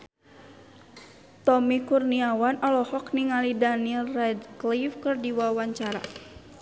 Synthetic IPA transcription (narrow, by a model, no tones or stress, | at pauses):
t̪ɔmikurniawanʔɔlɔhɔkniŋalidanilrɛdklifkɨrdiwawaɲt͡ʃaɾa̰